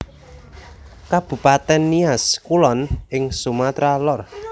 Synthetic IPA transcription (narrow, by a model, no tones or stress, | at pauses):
kab̥ṳpat̪ɛnːiaskulɔnɪŋsumat̪ɾalɔr